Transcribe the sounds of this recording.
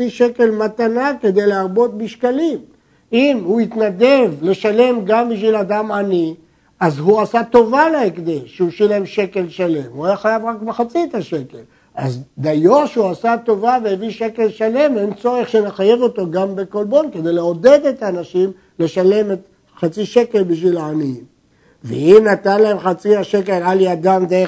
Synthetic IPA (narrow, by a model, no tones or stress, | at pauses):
iʃe̞ke̞lmat̪anake̞d̪e̞jleaʁbo̞t̪̚biʃkalim | imhuit̪nad̪evle̞ʃale̞mɡambiʃ̬vilad̪amani | azɦuasat̪o̞valeekd̪eʃeuʃilemʃe̞ke̞lʃale̞muajaχajavʁakbeχat͡siet̪aʃe̞ke̞l | a̰zd̪ajo̞ʃeuasat̪o̞vaveeviʃe̞ke̞lʃale̞ment͡so̞ʁeχʃeneχaje̞vo̞t̪o̞ɡambekolbo̞nke̞d̪e̞jleo̞d̪e̞d̪e̞t̪aːnaʃim | le̞ʃale̞met̪ | χat͡siʃe̞ke̞lbiʃvilaːni | vḛimnat̪anlahe̞mχat͡siaʃe̞ke̞laliad̪amd̪ee